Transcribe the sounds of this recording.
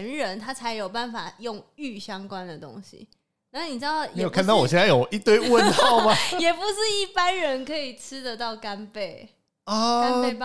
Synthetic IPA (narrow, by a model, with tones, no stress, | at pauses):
nɻə˧˥nt̪ʰa˥t͡sʰa˧˥ɪjo˨˩ʊpa˥˩nfa˨˩jʊ˥˧ŋy˥˩ɕjɑ˥ŋkwa˦nd̪ə˨˩t̪ʊ̰˦ŋɕḭ˨˩ | na˥˨ni˨˩ʈ͡ʂɻ̩˥d̪ɑ˥˨˩e˧˦˥jo˨˩kʰnɑ˥˩ʊwɔ˨˩ɕjɛ˥˧nt͡sa˥˩jo˨˩i˥˧t̪we˥˧ɪwə˦nxɑ˥˩ʊma˨jɛ˨˩pu˧˦ʂɻ̩˥˧i˥˩pa˦nɻə˧˦nkʰɤ˧˥i˨˩ʈ͡ʂ̩ʰ˥d̪ə˨t̪ɑ˥˩ʊka˥npe˥˩ɪ | ɔ˧a˥pe˧˩